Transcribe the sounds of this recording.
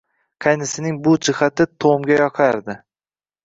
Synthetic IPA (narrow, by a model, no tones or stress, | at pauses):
qʰɑjnɪsɪnɪŋbʊd͡ʒɪχat̪ɪt̪ʰomɡʲajɒqʰɑɾd̪ɪ